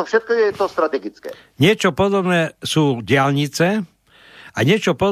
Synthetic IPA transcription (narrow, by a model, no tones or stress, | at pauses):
ɔfʃɛt̪̚kɔjɛt̪ɔst̪ɾat̪ɛɡit͡skɛ̰ | ɲɪɛt͡ʃɔpɔd̪ɔbnɛːsuːɟɪalɲit͡sɛ | aɲɪɛt͡ʃɔpɔ